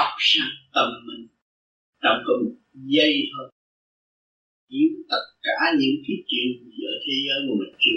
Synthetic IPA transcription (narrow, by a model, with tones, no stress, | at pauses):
k͡p̚saː˧˩ŋt̪ə˨˩mːï˨˩ŋ̟ | t͡ɕa˨˩ŋ͡mkɔ˨˦m˨˩t̚zə˧jh̪ʰəː˧ | ʔi˨˦əwt̪ə˦˥t̚kaː˧˩˦ɲɨ̰˧˥ŋki˨˦t͡ɕwḭ˧˨əni˨˩zəː˧˨˩t̪ʰe˨˦zəː˨˦jku˧˩mï˨˩ŋ̟t͡ɕɨ˧˦